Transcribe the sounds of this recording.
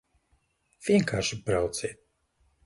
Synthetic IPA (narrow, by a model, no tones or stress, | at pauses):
v̥ʲiɛŋkaːɾʃibɾawt̪siɛt̪̚